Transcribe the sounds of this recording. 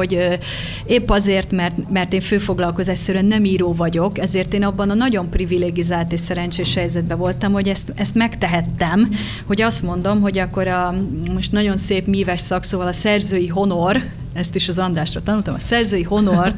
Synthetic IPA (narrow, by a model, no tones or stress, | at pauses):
oɟø | eːpːɒzeːrt̪mɛrt̪mɛrt̪eːɱføːfo̞ɡlɒlko̞zaːʃsɛɾɛnːɛmiːɾoːvɒɟo̞kɛzeːrt̪eːnɒbːɒnɒnɒɟo̞mprivileːɡizaːlt̪eːʃsɛɾɛnt͡ʃeːʃhɛjzɛd̪bɛvo̞lt̪ɒmho̞ɟɛst̪ɛst̪mɛkt̪ɛɦɛt̪ːɛm | ho̞ɟɒst̪mo̞nd̪o̞mɦo̞ɟɒkːo̞ɾɒmo̞ʃt̪nɒɟo̞nseːpmiːvɛʃsɒksoːvɒlɒsɛrzøːjiɦo̞no̞r | ɛst̪iʃɒzɒnd̪raːʃrot̪ɒnult̪omɒsɛrzøːjiɦo̞no̞r